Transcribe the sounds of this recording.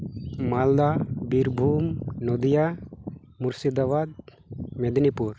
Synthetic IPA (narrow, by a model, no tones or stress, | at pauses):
mald̪abiɾbʱumnod̪ija | muɾsid̪aβad̪̚ | med̪nipuɾ